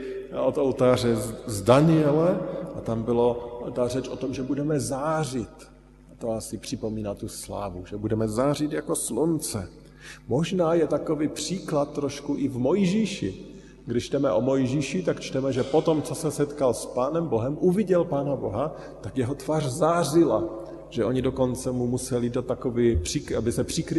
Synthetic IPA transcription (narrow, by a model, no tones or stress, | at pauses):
ot̪olt̪aːrɛzdanɪjɛlɛʔat̪ambɪlot̪arɛt͡ʃʔo̞t̪o̞mʒɛbudɛmɛzaːrɪt̪ | t̪oasɪpr̥ɪpo̞miːnat̪ːusla̰ːvuʒɛbudɛmɛzaːr̝ɪt̪jako̞slunt͡sɛ | mo̞ʒnaːjɛt̪ako̞viːpr̥iːklat̪ːɾo̞ʃkuʔɪvmo̞jʒiːʃɪ̰ | ɡdɪʃt͡ʃt̪ɛmɛʔo̞mo̞jʒiːʃɪt̪akt͡ʃt̪ɛmɛʒɛpo̞t̪o̞mt͡so̞sɛsɛt̪kalspaːnɛmbo̞ɦɛmʔuvɪɟɛlpaːnabo̞ɦa | t̪akjɛɦo̞t̪vaːrzaːrɪla | ʒ̥ɛʔo̞ɲɪdo̞ko̞nt͡sɛmumusɛlidat̪ːakoviːpr̝̥ɪkʔabɪsɛpr̥ɪkɾ